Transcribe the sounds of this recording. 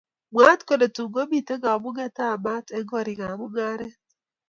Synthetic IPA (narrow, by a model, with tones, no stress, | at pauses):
mwa˦tko˦˨de˨tu˨ɡo˦bi˨te˦ɡa˨ɔ˨mʊ˦ɡɛ˦ta˦˨ma˦tɛ˦ɡɔ˦˨ɾɪ˨ŋa˨mʊ˦ɡa˦ɾɛ˦